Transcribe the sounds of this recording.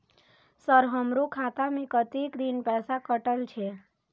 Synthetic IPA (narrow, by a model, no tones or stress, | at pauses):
səɾɦəmɾokʰat̪amẽkət̪ikd̪inpɛːsakəʈəlt͡ʃʰe